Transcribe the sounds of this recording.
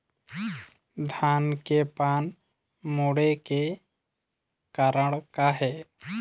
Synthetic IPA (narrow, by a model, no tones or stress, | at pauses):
d̪ʱankepan | moɽeke | kaɾəɽkaɦe